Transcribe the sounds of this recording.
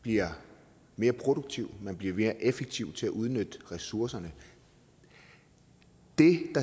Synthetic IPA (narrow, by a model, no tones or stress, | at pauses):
b̥liɐ | me̝ːɐpʰʁo̝ɾoɡ̥̚t͡sʰiʊ̰mænb̥liɐme̝ːɐʔefeɡ̥̚t͡sʰiʊt͡sʰe̝æʔuð̞ˠnød̥ʁɛsuɐsɐnə | d̥e̝d̥ɑ̈